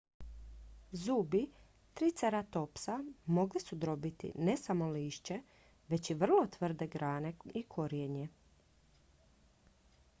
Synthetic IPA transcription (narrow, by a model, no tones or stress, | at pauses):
zuːbi | t̪ɾiːt̪seɾat̪o̞psamo̞ɡlisud̪ɾo̞bit̪ḭne̞samo̞liːʃt͡ɕe̞ | ʋe̞t͡ɕiʋr̩lˠo̞t̪ʋr̩d̪e̞ɡɾaːne̞ikʰo̞ɾjeɲe